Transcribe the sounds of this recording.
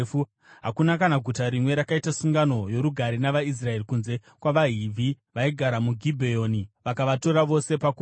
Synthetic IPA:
fu | ɦakunakanaɡʱutaɾimwe̞ɾakaitasuŋɡano̞jo̞ɾuɡʱaɾinaʋais̬rae̞rikunze̞ | kwaʋaɦivʱi | ʋaiɡʱaɾamuɡʱibʱejo̞ːniʋakaʋato̞ɾaʋo̞se̞paku

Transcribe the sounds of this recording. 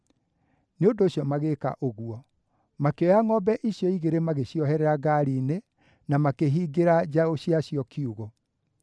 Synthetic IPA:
neondoɕjɔmaɣeka̰ʔoɣuɔ | makeɔjaŋɔbɛʔiɕjɔiɣeɾemaɣeɕjɔɦɛɾɛɾaɡaɾiːne | namakeɦiːɡeɾad͡ʑaoɕiaɕjɔkiuɣɔ

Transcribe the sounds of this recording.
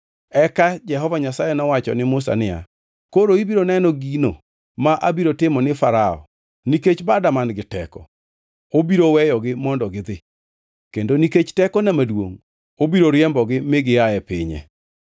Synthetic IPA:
ɛkad͡ʒɛɦɔvaɲasajɛnɔwat͡ʃɔ̰nɪmʊsa̰nɪa̰ | koɾoibiɾonɛnɔɡino̰ | maʔabiɾotɪmɔnɪfaɾaɔ̰ | niket͡ʃbadamanɡɪtɛ̰kɔ̰ | obiɾowɛjɔɡɪmɔndɔɡɪd̪ɪ | kendoniket͡ʃtɛkɔnamadwo̰ŋ | obiɾoɾjɛmbɔɡɪmɪɡɪajɛpɪɲḛ

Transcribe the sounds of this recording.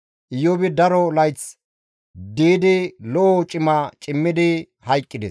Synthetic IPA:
ʔɪjobɪd̪ɐɾɔlɐjt͡s | d̪iːd̪ɪlɔʔɔt͡ʃʼɪmat͡ʃʼɪmːɪd̪ɪ | hɐjkʼːɪd̪ɛs

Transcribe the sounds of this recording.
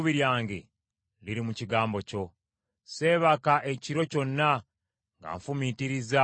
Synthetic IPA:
βiɾjaːŋɡe̞ | liɾimuciɡaːmbo̞co̞ | se̞ːβakaʔeciɾo̞co̞nːa | ŋɡa̰ːɱfumitiɾiza

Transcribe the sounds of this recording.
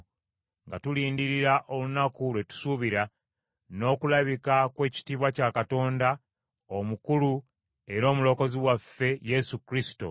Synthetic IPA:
ŋɡatuliːndiɾiɾaʔo̞lunakulwe̞tu̥suβiɾa | no̞ːkulaβikakwe̞ːci̥tiːβwacakato̞ːnda | omukulu | e̞ɾo̞ːmulo̞ːko̞ziwafːe̞je̞sukɾisi̥to̞̰

